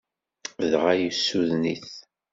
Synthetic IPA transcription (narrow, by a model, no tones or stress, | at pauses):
ðʁajəsːuðniθ